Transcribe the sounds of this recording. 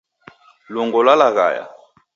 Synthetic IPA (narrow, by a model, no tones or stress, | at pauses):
lɔŋɡɔlwalaɣa̰ja̰